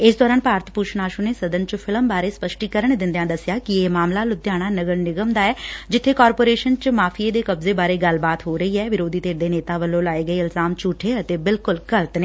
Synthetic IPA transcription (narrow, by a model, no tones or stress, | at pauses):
ɪsd̪ɔːɾaːnpaːɾət̪ʰpuːt͡ʃʰnaːʃʊneːsəd̪ənt͡ʃpʰɪləmbaːɾeːspəʃʈiːkəɾəɳd̪ɪ̃nd̪ejãːd̪əsjaːkɪeːmaːmlaːlʊd̪jaːɽ̃aːnəɡəɳnɪɡəmd̪aːɛːd͡ʒɪt̪ʰːeːkɔːɾpoːɾeːʃənt͡ʃmaːpʰieːd̪eːkəbzeːbaːɾeːɡəlbaːt̪ɦoːɾəiːɛːʋɪɾoːd̪iːt̪eːɾd̪eːneːt̪aːʋəlːõːlaːeːɡəiːɪlzaːmt͡ʃuːʈʰeːət̪eːbɪlkʊlkələt̪neː